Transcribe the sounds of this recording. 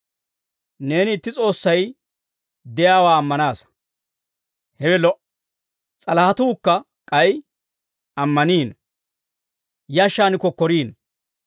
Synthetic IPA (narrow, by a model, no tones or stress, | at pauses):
ne̞ːnɪɪt̪ːɪt͡sʼo̞ːsːɐj | d̪ɛjaːwaːmːɐnaːs | hɛwɛlɔʔ | t͡sʼɐlɐhɐt̪uːkːɐ | kʼɐj | ɐmːɐniːn | jɐʃːaːnɪkɔkːɔɾiːn